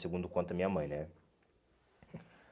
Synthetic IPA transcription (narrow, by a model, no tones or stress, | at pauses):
seɡũd̪ʊkʷwõnt̪ɐmĩɲɐmɐ̃j̃nɛ